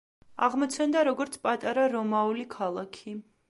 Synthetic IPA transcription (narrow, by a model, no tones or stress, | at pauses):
a̰ʁmɔt̪sʰɛnd̪aɾɔɡɔɾt̪sʰpʼat̪ʼaɾaɾɔmaulikʰalˠakʰi